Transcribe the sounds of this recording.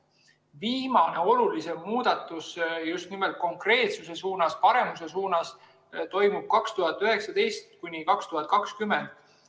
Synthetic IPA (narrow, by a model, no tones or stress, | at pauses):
viːmɑne̞o̞lulise̞muːd̪̥ɑt̪ːˑusjust̪nime̞lt̪̚ko̞ŋkre̞ːt̪suse̞suːnɑspɑɾe̞muse̞s̬uːnɑs | t̪o̞jmub̥̚kɑkst̪uɦɑt̪ːˑyɦe̞ksɑd̪e̞jst̪kunʲikɑkst̪uhɑt̪̚ˑkɑkskyme̞nd̪̥